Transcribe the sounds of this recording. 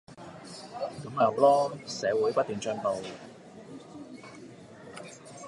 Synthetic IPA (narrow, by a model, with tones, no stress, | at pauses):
kɐ˨˥maː˨˩wlɔː˥sɛː˨˧wuː˨˥jpɐ˥t̪̚ːyː˨˩ŋt͡ʃœː˥ŋt̪o˨˧w